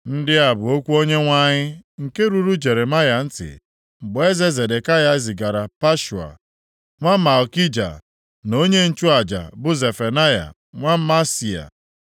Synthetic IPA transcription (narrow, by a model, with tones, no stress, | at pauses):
n̩˦dɪ˦a˨bʊ˨o˦kʷu˦o˦ɲe˦ŋʷa˦ɲɪ˦ŋ̩˨ke˦ɾu˦ɾu˦d͡ʒe˨ɾe˨ma˦ja˨n̩˦tɪ̰˨ | m̩˨bʊ˨e˦ze˦ze˨de˨ka˦ja˦zɪ˨ɡa˨ɾa˨pa˦ʃu˨a̰˨ | ŋʷa˦ma˨ɔ˨ki˦d͡ʒa̰˨ | no˦ɲe˦n̩˦t͡ʃʊ˦a˨d͡ʒa̰˨bʊ˦ze˨fe˨na˦ja̰˨ | ŋʷa˦m̩˦ma˦si˨a̰˨